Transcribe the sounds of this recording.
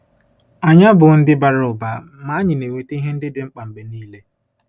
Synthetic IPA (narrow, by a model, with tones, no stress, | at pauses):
a˨ɲa˦bʊ˨n̩˦dɪ˦ba˨ɾʊ˨ba˨ | ma˨˦ɲɪ˨ne˨wʷe˨tɦe˦n̩˦dɪ˦dɪ˦ŋ͡m̩˦k͡pa˨m̩˨be˨niː˦le˦